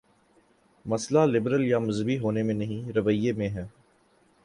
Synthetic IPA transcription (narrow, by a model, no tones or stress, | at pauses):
mɐslalɪbɾəljamɐzəbiɦoːnemẽnɐɦĩɾɐʋəijːemẽɦɛː